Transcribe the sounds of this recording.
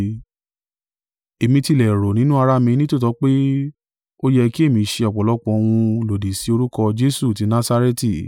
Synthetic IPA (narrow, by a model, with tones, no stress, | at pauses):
e˨mĩ˧ti˧lɛ˨ɾo˨nĩ˦nũ˦a˧ɾa˦mĩ˧nĩ˦to˦˨tɔ˨˦k͡pe˦ | o˦jɛ˧ki˦e˦˨mĩ˧ʃe˧ɔ˨k͡pɔ˨lɔ˨˦k͡pɔ̃˧o˧w̃ũ˧lo˨de˨si˨˦o˧ɾu˦kɔ˧d͡ʒe˦su˦˨ti˨˦nã˦sa˧ɾe˦ti˦˨